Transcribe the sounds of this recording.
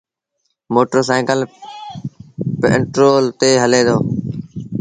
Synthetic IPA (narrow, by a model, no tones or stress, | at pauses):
moːʈoːsaːkəl | pḛɳʈɾoːlt̪eːɦəleːd̪oː